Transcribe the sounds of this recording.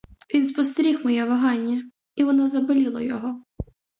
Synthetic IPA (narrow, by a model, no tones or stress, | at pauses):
ʋʲinspɔst̪ɾʲixmɔjɛʋɐɦɑnʲːɐ | iʋɔnɔzɐbɔlʲilˠɔ̰jɔɦɔ